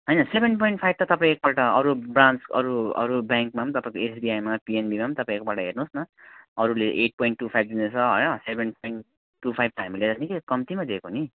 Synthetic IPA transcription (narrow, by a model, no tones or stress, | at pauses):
ɦʌjnʌsebenpojɳʈpʰajb̚t̪ʌt̪ʌpãĩek̚baʈʌʌɾubrãnt͡sʌ̰ɾuʌ̰ɾubjaŋk̚mamt̪ʌpãĩkoesbiajmapienbimamt̪ʌpãĩkobaʈʌɦernusnʌʌɾuleʔeʈ̚poiɳʈːupʰajb̚d̪inesʰʌɦʌ̰jnʌsebʱenpojɳː | upʰajb̚t̪ʌɦamiled͡zʌsnekekʌmt̪imad̪ekoni